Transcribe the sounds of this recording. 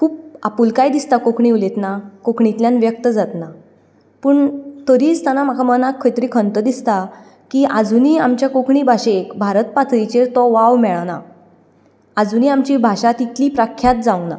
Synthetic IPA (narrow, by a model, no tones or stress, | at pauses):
kʰuːp̚apuːlkajd̪ist̪akokʰɳiulet̪nakokʰɳit̪ljanʋjək̚t̪əd͡zat̪na | pəːɳt̪əɾiːt͡st̪anam̤akʰamənakʰːəjt̪ɾiːkʰənt̪əd̪ist̪a | kiʔad͡zuniːamt͡ɕjakokʰɳibʱaɕekbʱaɾət̪̚pat̪ʰɾit͡ɕeɾt̪ɔʋaʋmɛɭna̰ | ad͡zuniːamt͡ɕibʱaʂat̪it̪liːpɾakʰjat̪̚d͡zawna̰